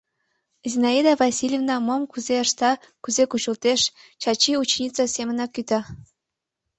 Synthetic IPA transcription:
zinɑid̪ɑvɑsʲilʲjevnɑmomkuzeəʃt̪ɑ | kuzekut͡ɕəlt̪eʃt͡ɕɑt͡ɕiut͡ɕnʲit͡sɑsemə̆nɑkːyt̪ɑ

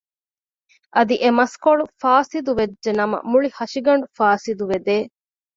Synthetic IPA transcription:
ʔɐd̪iʔemɐskoɭufaːsid̪uʋed͡ʒʒenɐmɐ̰muɭihɐʃiɡɐɳ̆ɖufaːsid̪uʋed̪eː

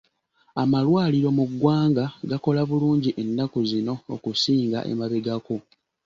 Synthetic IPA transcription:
amalwaːliɾo̞muɡːwaːŋɡaɡako̞laβuluːɲɟiʔe̞nːakuzino̞ːkusiːŋɡa̰ʔe̞̰maβeɡako

